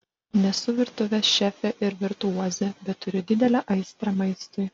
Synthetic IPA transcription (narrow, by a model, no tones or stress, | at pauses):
nʲɛsʊʋʲɪɾt̪ʊʋʲɛsʃʲæːfʲɛʔɪɾʋʲɪɾt̪uuɔzʲɛbʲɛt̪tːʊɾʲɪd̪ʲɪd̪ʲɛlʲɛʔɐɪst̪ɾɐmɐɪst̪ʊɪ